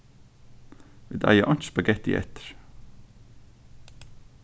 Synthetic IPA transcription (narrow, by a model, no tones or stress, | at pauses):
ʋɪd̪æ̰ɪəʔɑnspɑɡɛt̪ḭːʔɛ̰t̪ə̥ɾ